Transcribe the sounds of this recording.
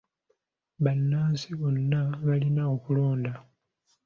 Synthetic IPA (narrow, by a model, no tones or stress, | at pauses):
βanːaːnsiβonːaβalinaokulo̞ːnda